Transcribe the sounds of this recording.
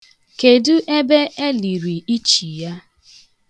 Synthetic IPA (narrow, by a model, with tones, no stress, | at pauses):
ke˨du˦ʔe˦be˦e˦li˨ɾi˨i˦t͡ʃi˨ja˦